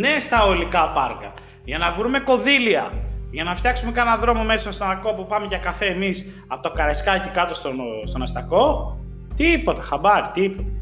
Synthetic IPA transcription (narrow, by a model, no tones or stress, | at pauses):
ne̞st̪ɐolikɐpɐɾkɐ | ʝɐnɐvɾumeko̞ðiliɐʝɐnɐft̪çɐksume̞kɐnɐðɾo̞mo̞mesɐnst̪ɐnɐko̞pupɐme̞ʝɐkɐfe̞ːmis | ɐpo̞t̪ɐkɐɾeskɐcikɐt̪o̞st̪ost̪o̞nɐst̪ɐko̞ | t̪iipo̞t̪ɐ̥xɐbɐɾit̪iipot̪ɐ̥